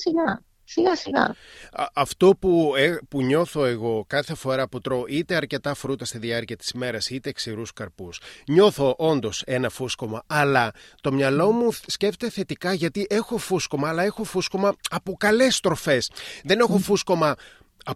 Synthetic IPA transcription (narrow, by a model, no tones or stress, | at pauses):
siɣɐ | siɣɐsiɣɐ̰ɐft̪o̞puepuɲo̞θo̞e̞ɣo̞kɐθe̞fo̞ɾɐpot̪ɾo̞ʔit̪e̞ɐɾce̞t̪ɐfɾut̪ɐst̪iðiɐɾciɐt̪i̥sme̞ɾɐsit̪e̞ːksiɾuskɐɾpusɲo̞θo̞ʔo̞nd̪o̞se̞nɐfusko̞mɐɐlɐt̪o̞mɲɐlo̞musceft̪et̪eθe̞t̪ikɐʝɐt̪iʔe̞xo̞fusko̞mɐːlɐe̞xo̞fusko̞mɐɐpokɐle̞st̪ɾo̞fe̞sðe̞ne̞xo̞fusko̞mɐ | ɐ